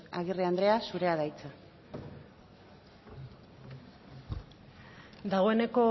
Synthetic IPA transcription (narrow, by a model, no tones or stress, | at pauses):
aɣ̞iriand̪ɾe̞asuɾe̞aðajt͡sa | d̪aɣo̞e̞ne̞ko̞